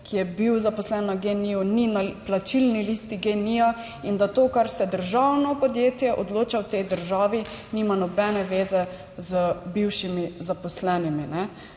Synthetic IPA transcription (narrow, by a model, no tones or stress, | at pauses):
kʰijɛbiwzapɔslɛnaɡeniɔninaplat͡ʃilnilist̪iɡenia | ind̪at̪oːkaɾsɛd̪əɾʒawnɔpɔd̪jeːt̪jɛʔɔd̪loːt͡ʃawt̪ɛjd̪əɾʒaːʋinimanɔbɛnɛʋeːzɛ | zəbiwʃimizapɔslɛniminɛ